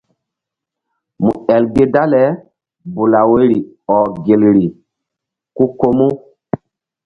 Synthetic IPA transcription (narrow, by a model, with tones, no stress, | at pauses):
mu˨ɛ˨lɡe˦da˦lɛ˨˦ | bu˨la˨we˦ɾi˨ | ɔ˨ɡe˨lɾi˨ | ku˦ko˦mu˦